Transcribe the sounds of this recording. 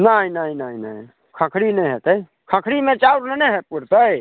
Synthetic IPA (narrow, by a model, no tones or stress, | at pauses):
nainainaina̰i | kʰə̃kʰɾinəɦet̪əi | kʰãkʰɾimẽt͡ʃauɾnəneɦepuɾt̪əi